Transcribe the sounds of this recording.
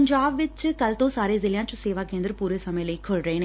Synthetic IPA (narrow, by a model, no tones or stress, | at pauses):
ɲd͡ʒaːbʋɪt͡ʃkəlt̪õːsaːɾeːzɪljãːt͡ʃõseːʋaːkẽːnd̪əɾpuːɾeːsəmẽːləiːkʰʊlɾəeːneː